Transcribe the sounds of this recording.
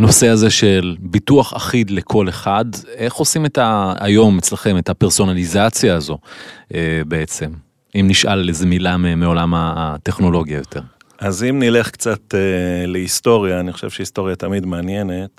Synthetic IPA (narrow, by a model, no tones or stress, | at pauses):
no̞se̞aze̞ʃe̞lbituaχa̰χidle̞kʰo̞le̞χade̞χo̞sime̞ta̰ːjo̞met͡slaχe̞me̞thape̞ʁso̞nalizat͡sjaːzo̞ʔebee̞t͡se̞m | imniʃʔalezemilamemeo̞lamate̞χno̞lo̞ɡijajo̞tʰe̞ʁ | ʔazimnile̞χkt͡sateleist̪o̞ʁjaːniχo̥ʃev̥ʃeisto̞ʁjat̪amidmeanjene̞t